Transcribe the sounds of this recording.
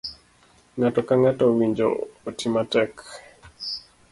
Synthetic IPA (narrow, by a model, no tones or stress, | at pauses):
ŋatɔkaŋatɔwiɲd͡ʒo̰ːtimatɛk